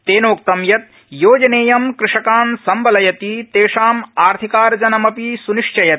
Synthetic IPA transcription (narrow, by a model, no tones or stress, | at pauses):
t̪eːnoːkt̪ɐmjɐt̪̚ | joːd͡ʒɐneːjɐmkɾɪʂɐkaːnsɐmbɐlɐjɐt̪it̪eːʂaːmaːɾt̪ʰikaːɾd͡ʒɐnɐmɐpisuniʂt͡ʃɐjɐt̪i